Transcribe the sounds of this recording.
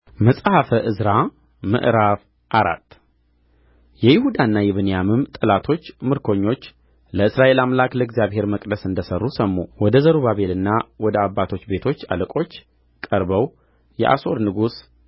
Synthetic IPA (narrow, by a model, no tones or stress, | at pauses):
məsʼhafəʔɨzɾa | mɨ̰ʔɾaf | ʔaɾa̰t̪ː | jɛjɪhud̪aɨnːajɛβɨnjamɨmt̪ʼɨlat̪ʰo̞t͡ʃːmɨɾkʰo̞ɲːo̞t͡ʃː | ləɨsɾaʔe̞lamlakləɨɡzjaβhe̞ɾməkʼd̪əsɨnd̪əsərːusəmːuwɔd̪əzəɾuβaβe̞lɨnːawɔd̪əabːat̪ʰo̞t͡ʃːbe̞t̪ʰo̞t͡ʃːa̰ləkʼo̞t͡ʃː | kʼəɾbəw | jɛ̰ʔa̰so̞ɾnɨɡus